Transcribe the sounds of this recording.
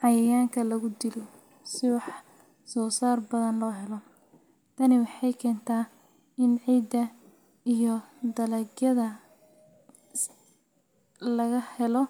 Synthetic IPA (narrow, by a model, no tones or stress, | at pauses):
ʕɑjɐjaːŋkʰɐlɐɣʊd̪ɪlɔ | sɪwɑħ | sɔːsaːrbɐðɐnlɔːɦɛlɔ | t̪ʰɐnɪwɑħɑjkʰɛːnt̪ʰaː | ɪnʕiːd̪ɐ | ijɔd̪ɐlɐɡjɐðɐ | lɐɣɐhɛlɔ